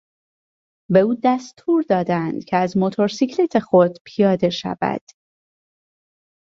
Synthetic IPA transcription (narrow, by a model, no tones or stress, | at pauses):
be̞uːd̪æst̪ʰuːɾd̪ɒːd̪ænd̪̥cʰeæzmot̪ʰo̞ɾsicʰlet̪ʰe̞xo̞d̪pʰijɒːd̪e̞ʃæ̰væ̰d̪̥